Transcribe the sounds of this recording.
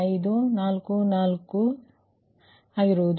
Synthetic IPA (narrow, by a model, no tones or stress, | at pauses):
ɐjd̪unaːlkunaːlkːu | aːɡiɾoːd̪